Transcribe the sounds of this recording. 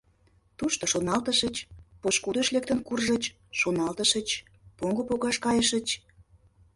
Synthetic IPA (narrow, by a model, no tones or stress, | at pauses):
t̪uʃt̪oʃonɑlt̪əʃət͡ɕpoʃkud̪əʃlek̚t̪ənkurʒət͡ɕ | ʃonɑlt̪əʃət͡ɕ | poŋɡopoɣɑʃkɑjəʃət͡ɕ